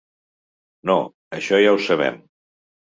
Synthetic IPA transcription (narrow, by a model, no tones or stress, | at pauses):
no | əʃɔjawsəβ̞ɛ̰m